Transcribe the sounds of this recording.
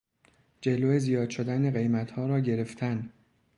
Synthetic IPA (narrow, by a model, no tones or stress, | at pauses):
d͡ʒe̞loːezijɒːd̪ʃo̞d̪æneɣe̞jmæt̪hɒːɾɒːɟe̞ɾeft̪ʰæn